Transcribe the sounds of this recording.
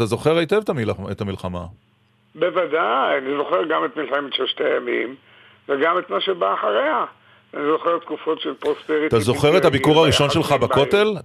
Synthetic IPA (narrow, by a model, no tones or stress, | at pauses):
tazo̞χeʁaitevt̪amiet̪hamilχama̰ | bevadajanizo̞χe̞ʁɡamet̪milχamimʃelʃtejamḭm | veɡamet̪maʃebaːχaʁea | anizo̞χet̪kufo̞tʃelpʁospeʁit̪azo̞χe̞ʁet̪habikuʁaʁiʃo̞nʃe̞lχabako̞tel